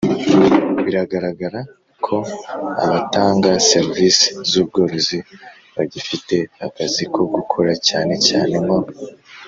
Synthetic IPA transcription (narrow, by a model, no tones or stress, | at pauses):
βiɾaɡaɾaɡaɾa | kʰo̞a̰βataːŋɡaseɾvisi̥zuːb̚ɡo̞ːɾo̞zi | βaɟifite̞hakazikʰoɡukʰoɾacaːne̞caːne̞ma